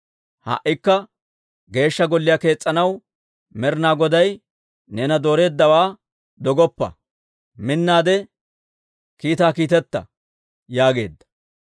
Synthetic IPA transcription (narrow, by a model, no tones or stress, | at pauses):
hɐ̰ʔːɪkːɐ | ɡe̞ːʃːɐɡɔlːɪjake̞ːt͡sʼːɐnɐw | mɛɾnaːɡɔd̪ɐj | nɛːnɐd̪o̞ːɾe̞ːd̪ːɐwaː | d̪ɔɡɔpːɐ̰ | mɪnːaːd̪ɛ | kiːt̪aːkiːt̪ɛt̪ːɐ̰ | jaːɡe̞̰ːd̪ːɐ̥